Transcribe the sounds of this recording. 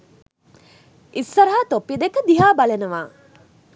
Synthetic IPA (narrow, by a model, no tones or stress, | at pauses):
isːɐɾɦaːt̪opːid̪ekəd̪iɦaːbɐlenuʋaː